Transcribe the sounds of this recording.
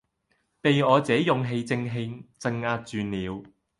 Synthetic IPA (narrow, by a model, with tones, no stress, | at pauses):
pe˨jɔː˨˧t͡sɛː˨˥jʊ˨ŋɦe˧jt͡sɪ˧ŋɦe˧jt͡sɪ˧ŋaː˧t̚t͡ʃyː˨niː˨˧w